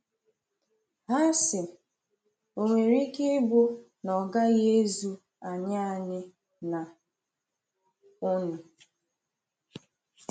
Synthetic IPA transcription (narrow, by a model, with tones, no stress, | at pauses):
ɦa˦sɪ˨ | o˨ŋʷe˨ɾi˦ke˦bʊ˦ | nɔ˨ɡa˦ɣe˦zu˦ | a˨ɲa˦a˨ɲɪ˦ | na˨ | ʊ˦nʊ˨